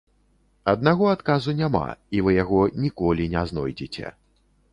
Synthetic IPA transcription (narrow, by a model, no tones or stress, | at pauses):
ɐd̪̚naɣɔat̪kazunʲama̰ivɨjaɣɔnʲikɔlʲinʲɛznɔjd͡zʲit͡sʲɛ̰